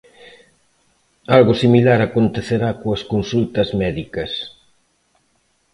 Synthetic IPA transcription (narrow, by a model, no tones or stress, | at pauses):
alɣʊsimilaɾakont̪eθeɾakoɐskonsult̪ɐzmɛðikɐs